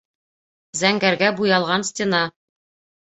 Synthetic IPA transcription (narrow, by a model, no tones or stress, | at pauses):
zæŋɡæɾɡæbujɑlˠʁɑnstʲɪnɑ